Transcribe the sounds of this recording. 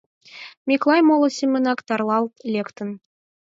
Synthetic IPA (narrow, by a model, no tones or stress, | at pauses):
mʲiklˠɑjmolˠɤ̆sʲimʲĕnɑkt̪ɑrlˠɑlˠt̪lʲekt̪ə̆n